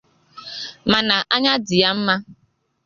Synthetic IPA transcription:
ma˨na˨ʔa˦ɲa˦dɪ˨ja˦m̩˦ma˦

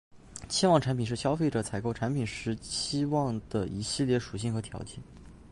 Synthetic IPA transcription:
t͡ɕʰi˥wɑ˥˩ŋʈ͡ʂʰa˧˥npʰi˨˩nʂɻ̩˥˩ɕjɑ˥ʊfe˥˩ɪʈ͡ʂɤ˨˩t͡sʰa˨˩ɪko˥˩ʊʈ͡ʂʰa˧˥npʰi˨˩nʂɻ̩˧˥t͡ɕʰi˥wɑ˥˩ŋd̪̥ə˩i˧˥ɕi˥˧ljɛ˥˩ʂu˨˩ɕ̬i˥˩ŋxɤ˧˥t̪ʰjɑ̰˧˥ʊt͡ɕʰɛ˥˩n

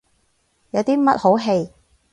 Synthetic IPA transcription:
jɐ˨˧wt̪iː˥mɐ˥t̚ho˨˥wɦe˧j

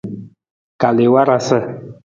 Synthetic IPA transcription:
ka˨le˨wa˦ɾa˦sə˦

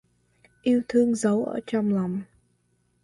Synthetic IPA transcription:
ʔi˧əwt̪ʰɨ˧əŋzə˨˦wʔə̰ː˧˩t͡ɕɔ˧wŋ͡mla˨˩wŋ͡m

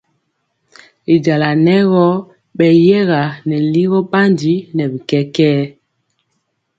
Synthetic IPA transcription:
i˨d͡ʒa˨la˨nɛ˦ɣɔ˦ | ɓɛ˨jɛ˦ɣa˨nɛ˨li˦ɣɔ˦ɓa˦ndi˦nɛ˨bi˨kɛ˦kɛː˦

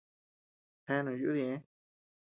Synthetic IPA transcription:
hẽ˧˦nõ˨ju˦ðĩ˧˨ẽ˦

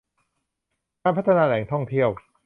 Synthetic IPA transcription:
kaː˧npʰt̪ʰːa˧naː˧lɛː˩˦ŋt̪ʰɔ˥˩ŋt̪ʰi˥˩əw

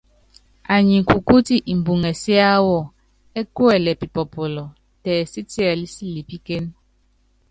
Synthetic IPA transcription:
a˨ɲi˨ŋ˨ku˨ku˦ti˦ʔi˨m̩˨bu˨ŋɛ˨si˦a˦wɔ˦˨ | ɛ˦ku˦ɛ˨lɛ˨pi˨pɔ˨pɔ˨lɔ˨ | tɛː˨si˦ti˦a˨li˦si˦li˨pi˦ke˦n

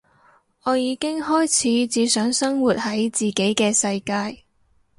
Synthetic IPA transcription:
ɔː˨˧jiː˨˧kɪ˥ŋɦɔː˥jt͡sʰiː˨˥t͡siː˨˧sœː˨˥ŋsɐ˥ŋwuː˨t̚hɐ˨˥jt͡siː˨˩ke˨˥jkɛː˧sɐ˧jkaː˧j

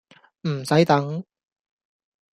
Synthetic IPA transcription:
m̩˨˩sɐ˨˥jt̪ɐ˨˥ŋ

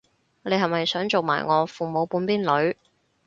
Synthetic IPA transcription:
ŋɔː˨˧le˨˧jhɐ˨˩mɐ˨jsœː˨˥ŋt͡so˨wma̰ː˨jŋɔː˨˧fuː˨mo˨˧wpuː˨˥npiː˥nlɵ˨˧ɥ

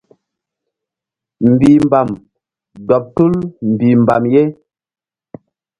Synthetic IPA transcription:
m̩˨bi˨m˨ba˨m | dɔ˨p̚tu˦lm̩˨bi˨m˨ba̰˨mje˦

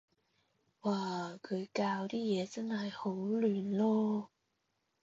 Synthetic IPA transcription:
waː˧˩kʰɵ˨˥jkaː˧˩wt̪i˥˩jɛː˨˥t͡sa˥nhɐ˨˩jho˨˥wlyː˨˩nlɔ˥

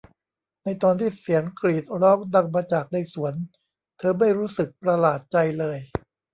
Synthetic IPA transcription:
na˧jt̪ɔː˧nt̪ʰiː˥˩si˩˦ənkɾiː˨˩t̪̚ɾɔː˦˥˩ŋda˧ŋmaː˧t͡ɕaː˨˩k̚da˧˥˩jsu˩˦ən | t̪ʰɤː˧ma˥˩jɾuː˦˥sɯ˨˩k̚pɾa˧laː˨˩t̪̚t͡ɕa˧jlɤː˧j

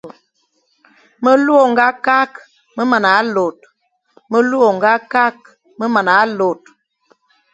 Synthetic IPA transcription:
mə˦lu˦o˨ŋ˨ɡa˦ka˦k | mə˦ma˨na˨˦lo˨t̚ | mə˦lu˦o˨ŋ˨ɡa˦ka˦k̚ | mə˦ma˨na˨˦lo˨t̚

